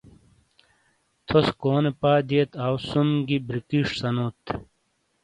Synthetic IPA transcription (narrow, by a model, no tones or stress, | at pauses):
t̪ʰoskoːnepaːd̪iet̪awsumɡibɾikiʂsɐnut̪